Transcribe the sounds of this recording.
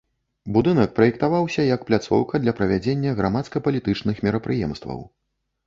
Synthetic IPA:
bud̪ɨnɐk̚pɾɐjɛkt̪avawsʲɐjɐkplʲat̪sɔ̰wkɐd̪lʲɐpɾɐvʲad͡zʲenʲːɐɣɾamat̪skɐpɐlʲit̪ɨt͡ʂnɨxmʲɛɾɐpɾɨjɛmst̪vɐ̰w

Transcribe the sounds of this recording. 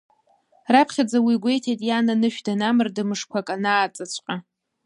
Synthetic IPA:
rapʰχʲad͡zawiɡʷe̞jtʰejtʼjananɨʃᶣdanamɨrdɨmɨʂkʷʰakʼanaːt͡sʼat͡ɕʷʰʼqʼa

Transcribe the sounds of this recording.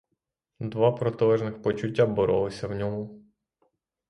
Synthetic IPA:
d̪ʋɑpɾɔt̪ɪlˠɛʒnɪxpɔt͡ʃʊtʲːabɔɾɔlˠɪsʲɐwnʲɔmʊ

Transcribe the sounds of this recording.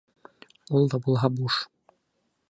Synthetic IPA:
ulˠd̪ɑbulˠɦɑbuʃ

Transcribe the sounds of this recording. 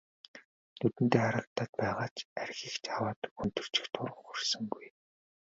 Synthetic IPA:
nʰɵt̪ɘ̆nt̪eːaɾə̆kt̪aːt̪̚pæːʁaːt͡ɕærʲxiːxt͡ɕawaːt̪unt̪ɵ̆r̥t͡ɕɪ̥̆xt̪ʰʊrʁəŋχɵrsɵ̆ŋɡuj

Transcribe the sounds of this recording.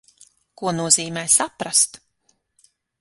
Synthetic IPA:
kuɔnuɔziːmɛːjsapɾast̪

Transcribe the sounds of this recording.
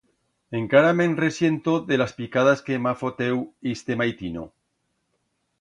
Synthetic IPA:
eŋkaɾamenresje̞nt̪oðelaspikað̞askemafot̪ewist̪emajt̪ino̰

